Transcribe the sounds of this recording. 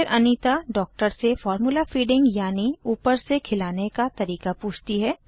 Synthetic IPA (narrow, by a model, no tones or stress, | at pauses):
ɾʔɐnit̪aɖɔːk̚ʈəɾsefɔːɾmulafiːɖɪ̃ŋɡjaːniuːpəɾsekʰɪlaːnekat̪ɐɾiːkapuːt͡ʃʰt̪iɦɛː